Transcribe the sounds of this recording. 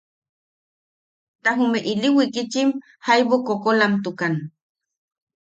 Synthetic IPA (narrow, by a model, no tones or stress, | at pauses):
t̪aɦumeʔiliwikit͡ʃim | hajβokokolamt̪ukan